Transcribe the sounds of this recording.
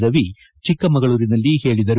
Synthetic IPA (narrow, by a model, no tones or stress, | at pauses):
ɾɐʋi | t͡ʃikːɐmɐɣɐɭuːɾinɐlːihe̞ːɭid̪ɐɾu